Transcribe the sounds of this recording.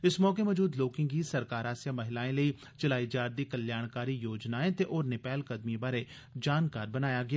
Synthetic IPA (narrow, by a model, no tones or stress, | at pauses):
ɪsmɔːk̬emɐːd͡ʒuːd̪loːkɪ̃ŋɡisɐɾkaːɾaːsjamɐɦɪlaːẽləi | t͡ʃɐlaːid͡ʒaːɾd̪ikɐljaːɽ̃kaːɾijoːd͡ʒnaːẽt̪eʔɔːɾnɪpɛːlkɐd̪mibaːɾe | d͡ʒaːnkaːɾbɐnaːjaɡɪjaː